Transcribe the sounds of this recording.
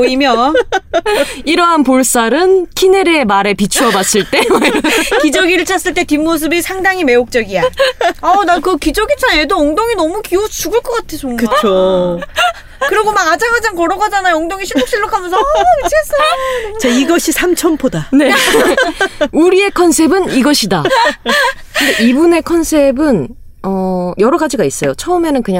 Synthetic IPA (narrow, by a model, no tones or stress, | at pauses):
oimjʌ | iɾʌɦanpoɭs͈aɾɯnkʰine̞ɾeemaɾe̞pit͡ɕʰuʌbas͈ɯɭt͈e̞muɲokid͡ʑʌɡiɾɯɭt͡ɕʰas͈ɯɭt͈e̞timːos̬ʰɯbisʰaŋdaŋime̞ok̚t͡ɕ͈ʌɡijaʌnakɯkid͡ʑʌɡit͡ɕʰanedooŋdoŋinʌmukiot͡ɕuɡɯɭk͈ʌk͈atʰet͡ɕʰoŋɡkɯao | kɯɾiɡomaɡad͡ʑaŋad͡ʑaŋkʌɾʌɡad͡ʑanajooŋdoŋiɕʰimd͡ʑok̚ɕ͈iɭːokʰamjʌnsʰʌket͡ɕʰikʰes͈ɯt͡ɕaiɡʌɕʰisʰamt͡ɕʰʌmpʰodane̞ | uɾie̞kʰʌnsʰe̞bɯniɡʌɕʰida | kɯnde̞ʔibune̞kʰʌnsʰe̞bɯn | ʌjʌɾʌɡad͡ʑiɡais͈ʌjot͡ɕʰʌɯme̞nɯnkɯɲa